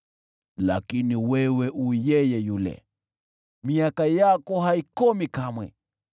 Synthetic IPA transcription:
la̰kiniwɛwɛʔujɛjɛjulɛ̰ | miakajakɔɦaikɔmikamwɛ̰

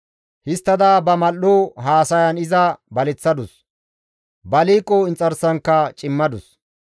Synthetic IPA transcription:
hɪst̪ːɐd̪aːbɐmɐlːoɦaːsɐjɐnɪzɐbɐlɛt͡sːɐd̪ʊs | bɐliːkʼːɔɪnt͡sʼɐɾsɐŋkːɐt͡ʃʼɪmːɐd̪ʊs

